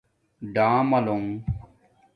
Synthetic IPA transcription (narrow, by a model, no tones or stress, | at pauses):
ɖãːmɐloŋ